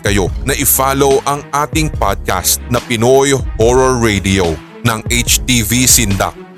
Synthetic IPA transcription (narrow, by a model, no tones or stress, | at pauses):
kɐjo̞nɐʔɪfaːlowʔɐŋʔaːt̪ɪŋpa̰d̪̚ka̰st̪̚nɐpɪnojhoɹɐːejd̪iow | nɐŋʔejt͡ʃt̪ivisɪnd̪a̰k̚